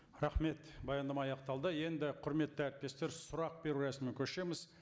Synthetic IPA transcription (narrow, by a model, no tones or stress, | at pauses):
ɾɑχme̞t̪bɑjɑnd̪ɑmɑɑjɑqt̪ɑlˠd̪əje̞nd̪ɪqʰʊɾme̞t̪ːəæɾt̪̚pe̞st̪e̞ɾsʊɾɑq̚be̞ɾuɾæsɪmɪkʲʰɵʃe̞mɪz